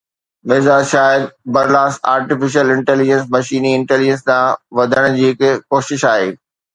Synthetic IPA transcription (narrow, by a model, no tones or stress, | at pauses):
mɪːzaːd͡ʑʃaːɪɾbɐɾlaːsa̰ːɾʈɪfɪʃ̬əlɪ̃ɳʈɛːlɪd͡ʑə̃ns̬mɐʃiːniɪ̃ɳʈɛːlɪd͡ʑə̃nst̪ãʋɐd̪ʱəɽ̃d͡ʑiːɦɪkkoːʃɪʃaːɦeː